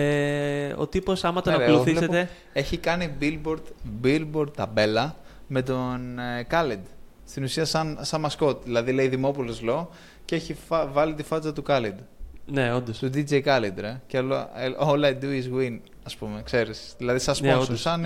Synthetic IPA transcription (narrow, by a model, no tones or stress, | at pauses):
eo̰t̪iposɐmɐt̪onɐooθileset̪e | e̞çikɐnibilboɾt̪bilboɾd̪̚t̪ɐbe̞lɐ | me̞t̪̬onekɐled̪ | st̪inusiɐsɐnsɐnmɐsko̞t̪ðilɐðileiðimo̞polozlo̞ | cee̞çifvɐlit̪ifɐt͡sɐt̪ukɐled̪neod̪ost̪ud̪id͡ʒejkɐled̪ɾɐceoloolɐed̪uizɣwin | ɐspumekse̞ɾisðilɐðisɐsososɐn